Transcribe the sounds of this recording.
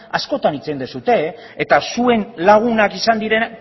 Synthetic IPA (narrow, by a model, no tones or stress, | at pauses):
asko̞t̪anit͡send̪esut̪e̞ | et̪asue̞nlaɣ̞unakisand̪iɾe̞n